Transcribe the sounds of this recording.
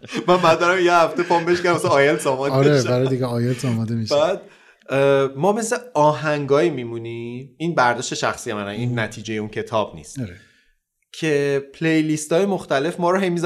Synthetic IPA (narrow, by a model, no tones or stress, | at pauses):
mænbæd̪æɾæmjehæft̪e̞pʰɒmbe̞ʃkæɾæmæsænɒːjelsɒːmɒːd̪ɾeeʃbæɾɒjd̪iɡeɒjelsɒmɒd̪emiʃbæːd̪̚ | mɒːmesle̞ɒːɦæŋɡɒːjimimuniinbæɾd̪ɒːʃt̪e̞ʃæxsijemænæninːæt̪ʰiːd͡ʒe̞jeuncʰe̞t̪ʰɒːb̥nḭːst̪ɾe | cʰepʰle̞jlist̪ʰɒːjemoxt̪æle̞fmɒːɾɔɦe̞jmiz